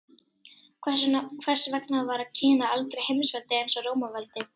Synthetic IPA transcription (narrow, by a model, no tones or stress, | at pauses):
kʰvɛnkʰvɛr̥svɛk̚navaɾaðcʰɛːnaalt̪ɾejhejmsvɛlt̪ɪejnsɔroːwmavalt̪ɪ